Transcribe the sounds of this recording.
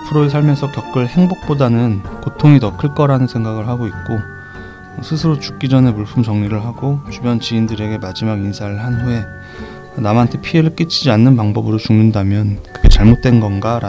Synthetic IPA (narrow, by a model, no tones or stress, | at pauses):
pʰɯɾoisʰaɭme̞sʰʌkjʌk̚k͈ɯɭhe̞ŋbok̚p͈odanɯnkotʰoŋitʌkʰɯɭk͈ʌɾanɯnsʰe̞ŋɡaɡɯɭɦaɡoit̚k͈o | sʰɯsʰɯɾot͡ɕu̥k̚k͈id͡ʑʌne̞muɭpʰumt͡ɕʌŋɲiɾɯɭɦaɡot͡ɕubjʌnt͡ɕiindɯɾe̞ɡe̞mad͡ʑimaɡinsʰaɾɯɭɦanɸue̞ | namantʰe̞pʰie̞ɾɯɭk͈it͡ɕʰid͡ʑianːɯnpaŋbʌbɯɾot͡ɕuŋɯndamjʌnkɯɡe̞t͡ɕaɭmot̚t͈we̞nɡʌnɡaɾ